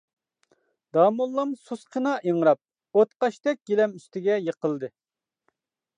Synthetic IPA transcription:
d̪̥ɑːmulˠːɑmsusqʰənɑʔiŋɾɑp̚ | ot̪qɑʃt̪ɛk̚ʲɡʲelɛmyst̪ɪɡʲɛjeqəlˠd̪ɨ

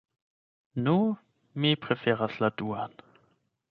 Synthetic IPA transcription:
nuː | mipʁ̥ɛfɛːʁasladuːan

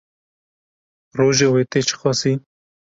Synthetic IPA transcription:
ɾoʒewet̪et͡ʃʰə̥xɔsi

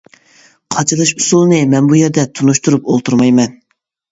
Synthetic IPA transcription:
qʰɑt͡ʃʰɨlˠɨʃusulˠnɨmɛnbujɛɾd̪ɛt̪ʰunuʃt̪uɾupolˠt̪ʰuɾmɑjmɛn

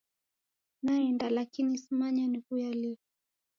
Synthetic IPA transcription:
naɛndalakinisimaɲanikujali

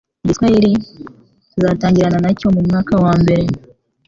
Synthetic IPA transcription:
ɟitkwajiɾi | izaːtaːɲɟiɾananaco̞mumŋaːkawaːmbe̞ɾe̞

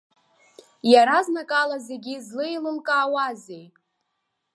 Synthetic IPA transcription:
jaɾaznakʼalaze̞ɡʲizlɨjlɨmkʼaːwazej

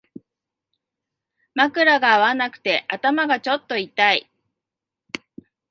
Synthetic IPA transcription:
makɯ̟ɾaɡaːβanakɯ̟̥t̪e̞ʔat̪amaɡat͡ɕo̞t̪ːo̞it̪ai

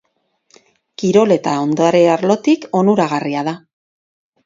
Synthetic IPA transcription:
kiɾo̞le̞t̪ao̞nd̪oaɾe̞aɾlo̞t̪iko̞nuɾaɣ̞ariaða

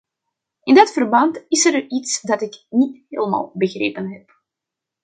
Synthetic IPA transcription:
ɪndɑtfərbɑntɪsɛɾitsdɑtɪknitɦḛːlma̰ːlˠbəɣrḛːpənɦɛp̚

